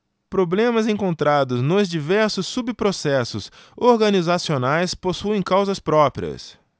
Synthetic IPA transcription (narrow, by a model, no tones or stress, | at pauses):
pɾoblẽmɐzẽŋkõnt̪ɾad̪ʊznʊzd͡ʒivɛɾsʊsːubpɾosɛsʊsoɾɡɐnizasionajsposuẽj̃kawzɐspɾɔpɾḭɐ̰s